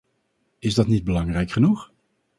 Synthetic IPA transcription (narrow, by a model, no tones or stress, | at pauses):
ɪzdɑtnid̚bəlɑŋrɛjkχənuχ